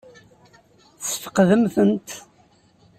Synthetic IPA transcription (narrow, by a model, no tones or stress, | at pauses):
θsə̥fə̥qðəmθənt̪